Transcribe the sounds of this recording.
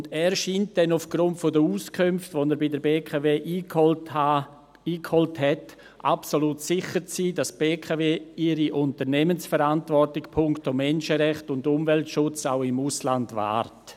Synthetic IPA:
ʊndɛːɾʃiːnt̚d̥ɛnʊfɡ̥ɾʊntfodəuːskʰømftvonɛɾbɪdəɾbeːkʰaveːʔiː | iːkhɔlthɛt | ʔa̰psoluːtsɪχəɾt͡siːdasb̥eːkʰaveːɪɾiʔʊntəɾnɛmənsfəɾantvɔrtɪkpʰʊŋktomɛnʃəɾɛχtʊndʊmvɛltʃʊt͡sa̰ʊɪmuslandva̰ːɾt

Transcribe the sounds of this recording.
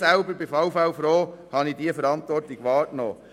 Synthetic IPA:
sælbəɾbɪfaʊfawfɾoːhɑnidiəfəɾɑntʋɔrtiɡ̥ʋɑːɾkno̰ː

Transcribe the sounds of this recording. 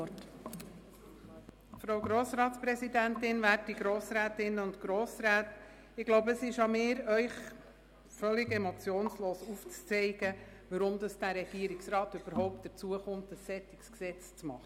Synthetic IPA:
t | fɾoʊɡɾoːsɾɑːtspɾɛsidænt̪ɪnʋæːɾt̚diɡɾoːsɾæːtɪnːəʊntɡ̥ɾoːsɾæːt | ɪɡ̥loʊbəəsɪʃɑmɪːɾœʏχ | fœlːɪɡɛmot͡sjoːnsloːsuft͡st͡sɛɪɡ̥ə | ʋəɾʊmd̪ɑsd̥æɾɛɡ̥iəɾɪksɾɑːt̪øb̥əɾhɔʊpt̚d̥əɾt͡suəχʊmt̪əsːɛtɪksksɛt͡st͡smɑχ

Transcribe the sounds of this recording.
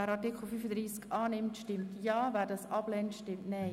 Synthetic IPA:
ɛːɾɑtɪkʰl̩fyfəd̪ɾiːskɑːnɪmtʃtɪmtjɑːvæːɾdɑːsɑb̥lɛntʃtɪmtnɛɪ

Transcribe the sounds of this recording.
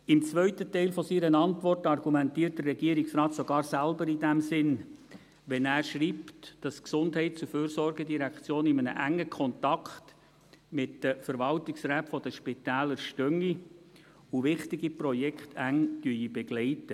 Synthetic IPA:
ɪmt͡sʋœʏtətɛɪlfɔsiːɾənɑntʋɔrtɑrɡumɛntiːərt̚d̥ərɛɡ̥iːəɾɪksrɑːtsɔɡ̥ɑːɾsælbəɾidæmsɪn | ʋɛnæːɾʃriːptd̥ɑsksʊndhɛɪtt͡suføːɾsɔrɡɛdiɾækt͡sjoːnɪmənə̰ʔæŋːəkʰɔnt̪ɑkχt | mɪtdəfəɾʋɑltɪksrɛːtfɔd̥əʃpɪtæːləɾʃtœŋi | uʋɪχtɪɡiprɔjɛkχtʰæŋd̥yibɛɡ̥lɛɪtə

